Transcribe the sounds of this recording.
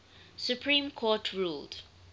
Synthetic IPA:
sjupʰɹĩːmkʰɔtʰɹuːld

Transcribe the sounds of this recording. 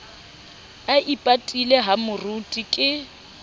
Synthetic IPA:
aʔipʼatʼilɛɦamʊrutʼikʼɪ

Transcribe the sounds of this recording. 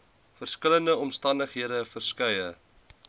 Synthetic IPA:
fərskələndəɔmstɐndəχɦiəɾəfərskɛjə

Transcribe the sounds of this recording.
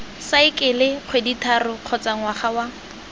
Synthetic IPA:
saɪkʼɪlɪq͡χʰweditʰarʊq͡χʰɔt͡saŋwaχawa

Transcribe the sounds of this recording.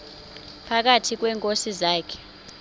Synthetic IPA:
pʰak̬atʰik̬wɛːŋkʼosizaːkʰɛ̥

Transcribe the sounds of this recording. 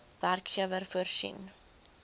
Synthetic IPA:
værkχiəvərfuərsḭn

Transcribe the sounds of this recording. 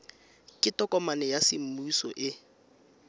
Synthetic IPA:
kʼɪtʼɔkʼɔmanɛjasɪm̩muisɔʔɪ

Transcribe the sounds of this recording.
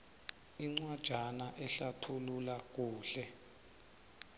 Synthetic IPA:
iŋ͡ǀwad̥ʒ̥ʱanaʔɛɬatʰululak̬uːɬɛ

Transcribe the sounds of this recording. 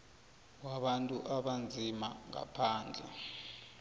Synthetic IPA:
waɓantʼuʔaɓand͡zʱimaŋa̰pʰaːnd͡ɮʱɛ̰

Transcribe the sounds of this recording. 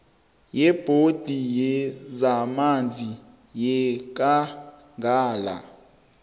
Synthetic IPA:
jɛb̥ʱod̥ʱijɛzamand͡zʱi | jɛk̬ʼa | ŋɡʱaːla̰

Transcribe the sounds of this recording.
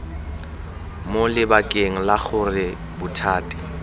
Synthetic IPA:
molɪbakʼeŋ̩laχʊrɪ | bʊtʰaːtʼɪ̥

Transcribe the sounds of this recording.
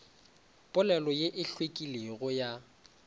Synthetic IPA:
pʼʊlɛlɔjeʔɪɬwekʼileɣʊja

